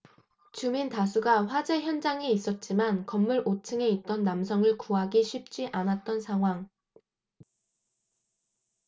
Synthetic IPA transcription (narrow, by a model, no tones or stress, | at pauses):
t͡ɕumintas̬ʰuɡaɸwad͡ʑe̞çjʌnd͡ʑaŋe̞is͈ʌt̚t͡ɕ͈imankʌmːuɭʔot͡ɕʰɯŋe̞it̚t͈ʌnːamsʰʌŋɯɭkuɦaɡiɕʰɥip̚t͡ɕ͈iʔanat̚t͈ʌnsʰaŋɦwaŋ